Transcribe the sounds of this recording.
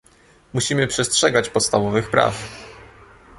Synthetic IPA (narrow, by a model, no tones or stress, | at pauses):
muɕimɘpʂɛstʂɛɡat͡ɕpɔt̪st̪avɔvɘxpɾa̰f